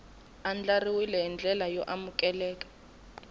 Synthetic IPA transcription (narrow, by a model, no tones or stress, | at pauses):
and͡ɮariwilɛind͡ɮʱɛlajɔʔamukʼɛlɛːkḁ